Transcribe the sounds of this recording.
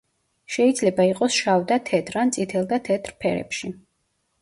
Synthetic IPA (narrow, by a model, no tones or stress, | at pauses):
ʃɛid̪zlɛbaiqʼɔsʃavd̪at̪ʰɛt̪ʰɾant̪sʼit̪ʰɛlˠd̪at̪ʰɛt̪ʰɾpʰɛɾɛ̰pʃi